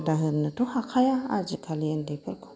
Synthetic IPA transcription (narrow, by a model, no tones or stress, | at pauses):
daɦəɾnətuhakʰajaa̰d͡ʒikʰalijəndapiɾku̥